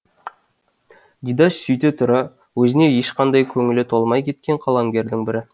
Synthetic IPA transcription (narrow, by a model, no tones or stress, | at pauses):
ɡ̪ʲid̪ɑʃsʏjt̪et̪ʰʊɾɑ | wɵzɪne̞jeʃqɑnd̪ɑjkʲʰɵŋɪlɪt̪ʰolˠmɑjkʲʰe̞t̪̚kʲe̞ɴqʰɑlˠɑŋɡʲe̞ɾd̪ɪŋbɪɾɪ